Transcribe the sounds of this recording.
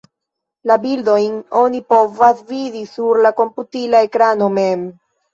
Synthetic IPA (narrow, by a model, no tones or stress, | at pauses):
labildo̞jno̞nipo̞vasvidisuɾlako̞mputilaekɾano̞mem